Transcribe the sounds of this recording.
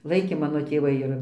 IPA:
ˈlˠɐɪkʲeː ˈmɑːnoː tʲeːˈʋɐɪ ɪr

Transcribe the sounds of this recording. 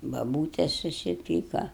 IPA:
bɐˈbuːtʲɛs sʊsʲɪˈpʲiːkɐ

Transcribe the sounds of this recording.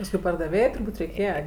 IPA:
pɐsˈkʊɪ pɐrdɐˈʋʲeːjɛɪ tʊrˈbuːtʲ rʲɛɪˈkʲeːjɛ

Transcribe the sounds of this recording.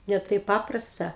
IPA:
nʲɛ ˈtɐɪp ˈpɑːprɐstɐ

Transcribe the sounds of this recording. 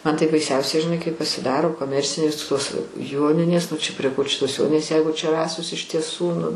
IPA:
ˈmɐn tɐɪ bɐɪˈsʲɛʊsʲɛɪ ʒʲɪˈnɐɪ kɐɪp pɐsʲɪˈdɑːroː koːˈmʲɛrʲt͡sʲɪnʲeːs toːs ˈjoːnʲɪnʲeːs nʊ t͡ʃʲɛ pʲrʲiɛ koː t͡ʃʲɛ toːs ˈjoːnʲɪnʲeːs ˈjɛɪɡʊ t͡ʃʲɛ ˈrɑːsoːs ɪʃ tʲiɛˈsuː nʊ

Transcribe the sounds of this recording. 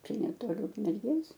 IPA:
ˈt͡ʃʲɛ nʲɛˈtoːlʲɪ ʊkmʲɛrʲˈɡʲeːs

